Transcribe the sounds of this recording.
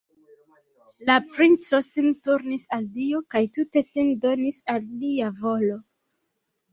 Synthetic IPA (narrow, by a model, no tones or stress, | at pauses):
lapɾint͡so̞sintuɾnisaldiokajtute̞sindo̞nisalːiavo̞lo̞